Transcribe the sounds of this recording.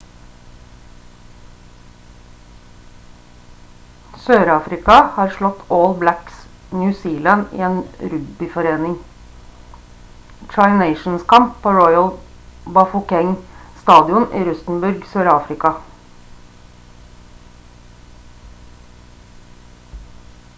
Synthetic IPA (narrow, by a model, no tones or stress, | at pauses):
søːɾɑːfɾɪkɑhɑːɾʃɭɔt̪ʰoːlblæks | njʉːsiːlɑnḭːeːnɾʉd̪bɪfɔɾeːnɪŋ | t͡ʃɑɪneɪʃn̩skʰɑmp̚pʰoːɹɔʏəl | bɑfʊkɛŋst̪ɑːd̪ɪʊnʔiːɾʉsn̩bʉɾɡsøːɾɑːfɾɪkɑ